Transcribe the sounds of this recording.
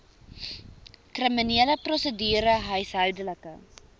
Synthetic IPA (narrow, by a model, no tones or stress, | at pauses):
krəminiːləprɔsədyːɾəɦœɥsɦœwdələkə